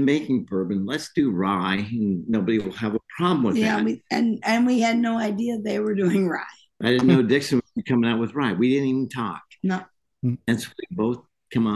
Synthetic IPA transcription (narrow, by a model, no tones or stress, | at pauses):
meɪkɪ̃ŋbɜ˞bɨ̃n̩lətsd̥ɨɹaɪɨ̃nːoʊbɨɾiwɪlˠəvəpʰɹ̥ɑblmwɨjðæwiɨ̃nɨ̃nwiɨdⁿnoʊaɪdiɨðeɪwə˞dʉɪ̃ŋɹa̰ɪ | aɪdɪdⁿn̩noʊdɪksɨ̃ə˞kʰʌ̃mɪ̃ŋaʊt̚wəðɹaɪt̚widɪdⁿn̩ivn̩tʰɔ̰k̚noʊ | ɨ̃nsoʊwiboʊθ | kʰʌ̃ma